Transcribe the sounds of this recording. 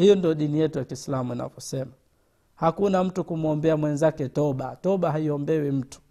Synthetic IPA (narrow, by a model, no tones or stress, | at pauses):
hijɔndiɔɗinijɛtujakiːslamuina̰vɔsɛma | hakunam̩tukum̩ɔmbɛamwɛnzakɛtɔɓatɔɓaɦaiɔmbɛwim̩tu̥